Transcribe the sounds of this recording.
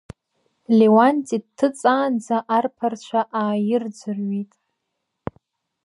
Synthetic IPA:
lewantʼidtʰːɨt͡sʼaːnd͡zaʔarpʰart͡ɕʷʰaʔaːjɪrd͡zʷɨrɥitʼ

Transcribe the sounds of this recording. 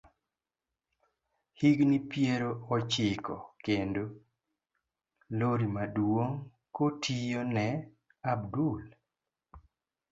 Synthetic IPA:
hiɡnipjeɾoɔt͡ʃɪkɔkendo | loɾimadwoŋ | kotʰijonɛ | abdul

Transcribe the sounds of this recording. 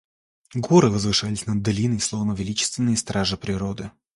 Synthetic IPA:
ɡoɾɨvəzvɨʂalʲɪsʲnɐd̪ːɐlʲinəslˠovnəvʲɪlʲit͡ɕɪ̥st̪vʲɪnːɨjəst̪ɾaʐɨpɾʲɪɾod̪ɨ

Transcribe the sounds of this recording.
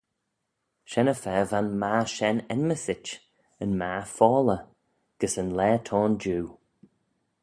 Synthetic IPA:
ʃɛnəfɛːvanmaːʃɛnɛnməsɪt͡ʃ | ənmaːfɔːlə | ɡ̥əsənlɛːtʰɔːnd͡ʒuː

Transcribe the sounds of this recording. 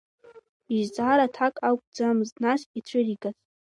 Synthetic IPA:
iʒt͡sʼaɾatʰakʼakʷʼd͡zamɨznasit͡ɕʷʰɪriɡas

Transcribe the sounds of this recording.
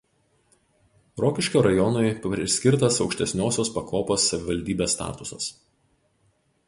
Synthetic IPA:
ɾɔːkʲɪʃʲkʲoːɾɐjɔnʊɪpʲɾʲɪsʲkʲɪɾt̪ɐsɒʊkʃʲt̪ʲɛsʲnʲoːsʲoːspɐkʰoːpoːsːɐʋʲɪʋɐlʲd̪ʲiːbʲeːsːt̪ɑ̰ːt̪ʊsɐ̰s

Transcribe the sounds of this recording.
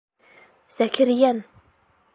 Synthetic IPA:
z̥ækʲʰɘɾjæn

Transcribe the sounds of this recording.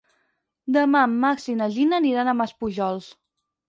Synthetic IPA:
d̪əmamːaksinəʒinəːniɾanəməspuʒɔlˠs

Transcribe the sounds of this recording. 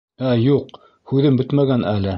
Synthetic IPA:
æjuq | hʉðɘmbɵt̪mæɡænʔælɘ

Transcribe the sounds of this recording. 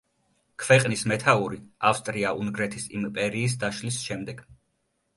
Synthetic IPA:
kʰvɛqʼnismɛt̪ʰauɾiafst̪ʼɾiaʔunɡɾɛt̪ʰisḭmpʼɛɾiːs̬d̪aʃlisʃɛmd̪ɛɡ̥

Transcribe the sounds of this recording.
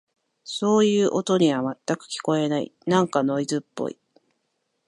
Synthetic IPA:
so̞ːjɯ̟ːʔo̞t̪o̞ɲ̟iβ̞amat̪ːakɯ̟̥kʲi̥ko̞e̞naḭnãŋkano̞izɨpːo̰ḭ

